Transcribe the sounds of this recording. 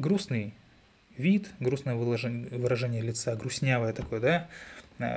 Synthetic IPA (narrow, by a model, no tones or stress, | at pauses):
ɡɾusnɨj | vʲit̪ɡɾusnəjəvˠvɨɾɐʐɛnʲɪjəlʲɪt̪saɡɾʊsʲnʲavəjət̪ɐko̞jəd̪a̰